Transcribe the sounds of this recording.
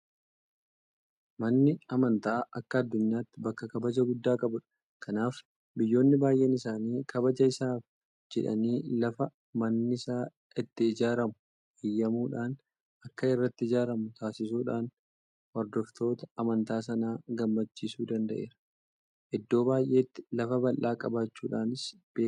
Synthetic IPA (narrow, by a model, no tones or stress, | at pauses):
mɐnːɪɐmɐnt̪aːʔɐkːɐɐd̪ːʊɲːaːt̪ːɪbɐkːɐkɐbɐd͡ʒɐɡʊd̪ːaːkʼɐbʊᶑɐ̥ | kʰɐnaːf | bɪjːo̞ːnːɪbaːjʔɛnɪsaːniːkʰɐbɐd͡ʒɐɪsaːf | d͡ʒɛᶑɐ̰niːlɐfɐ | mɐnːɪɪsaː | ɪt̪ːɪɪd͡ʒaːɾɐmʊ | hɪjːɐmuːᶑaːn | ɐkːɐɪrːɐt̪ːɪɪd͡ʒaːɾɐmʊt̪ʰaːsɪsuːᶑaːn | hɔɾd̪ɔft̪o̞ːt̪ɐ̥ɐmɐnt̪aːs̬ɐnaːɡɐmːɐt͡ʃːiːsuːd̪ɐnd̪ɐʔe̞̰ːɾɐ̥ | ʔɛd̪ːo̞ːbaːjʔe̞ːt̪ːɪ̥lɐfɐbɐlʔaːkʼɐbaːt͡ʃːuːᶑaːnɪs | b̥eː